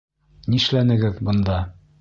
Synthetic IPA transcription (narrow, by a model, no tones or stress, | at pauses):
niʃlænɘ̆ɡɘðbɤ̆nd̪ɑ